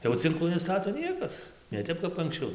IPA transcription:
jɛʊ t͡sʲɪŋˈklˠuː nʲɛˈstɑːtoː ˈnʲiɛkɐs nʲɛ ˈtʲɛp kɐp ɐŋksʲˈt͡ʃʲɛʊ

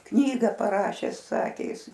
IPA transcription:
ˈknʲiːɡɐ pɐˈrɑːʃʲɛs ˈsɑːkʲeː ˈjɪs

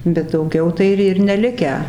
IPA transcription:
bʲɛt dɐʊˈɡʲɛʊ ˈtɐɪ ɪr ɪr nʲɛˈlʲɪkʲæː

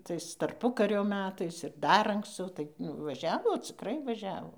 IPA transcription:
ˈtɐɪs tɐrˈpʊkɐrʲoː ˈmʲæːtɐɪs ɪr ˈdɐr ɐŋkˈst͡sɐʊ ˈtɐɪ nʊ ʋɐˈʒʲæːʋoː t͡sʲɪˈkrɐɪ ʋɐˈʒʲæːʋoː

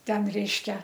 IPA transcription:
ˈtʲɛn ˈrʲɛɪʃʲkʲɛ

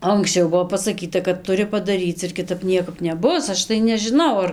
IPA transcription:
ɐŋksʲˈt͡ʃʲɛʊ ˈbʊʋoː pɐsɐˈkʲiːtɐ kɐt tʊˈrʲɪ pɐdɐˈrʲiːt͡s ɪr kʲɪˈtɐp ˈnʲiɛkɐp nʲɛˈbʊs ˈɐʃ tɐɪ nʲɛʒʲɪˈnɐʊ ˈɐr

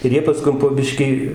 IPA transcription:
ɪr ˈjiɛ pɐˈskʊm poː ˈbʲɪʃʲkʲiː

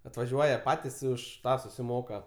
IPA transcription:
ɐtʋɐˈʒʲuɔjɛ ˈpɑːtʲɪs ɪ ˈʊʃ ˈtɑː sʊsʲɪˈmoːkɐ

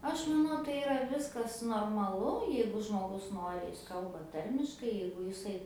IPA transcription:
ˈɐʃ mɐˈnɐʊ tɐɪ ɪˈrɐ ˈʋʲɪskɐs noːrmɐˈlˠʊ ˈjɛɪɡʊ ʒmoːˈɡʊs ˈnoːrʲɪ jɪs ˈkɐlˠbɐ ˈtɐrʲmʲɪʃkɐɪ ˈjɛɪɡʊ jɪˈsɐɪ

